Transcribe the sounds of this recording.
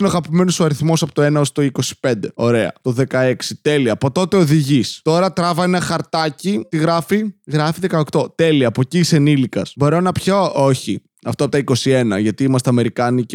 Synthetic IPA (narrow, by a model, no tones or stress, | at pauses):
inoɐɣɐpime̞nosoɐɾiθmo̞sɐpot̪oenɐost̪oiko̞si̥pe̞nd̪e̞o̞ɾe̞ɐ̰t̪o̞ðe̞kɐe̞ksit̪e̞liɐːpo̞t̪o̞t̪e̞o̞ðiʝist̪o̞ɾɐt̪ɾɐvɐenɐxɐɾt̪ɐcit̪iɣɾɐfiɣɾɐfiðe̞kɐokt̪o̞t̪e̞liɐːpociːsenilikɐsbo̞ɾo̞nɐpçooçi | ɐft̪oɐpot̪ɐiko̞sienɐ̰ʝɐt̪iimɐst̪eɐme̞ɾikɐni